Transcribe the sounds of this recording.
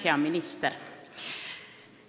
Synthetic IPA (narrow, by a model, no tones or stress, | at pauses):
æːmɪnɪst̪əɾ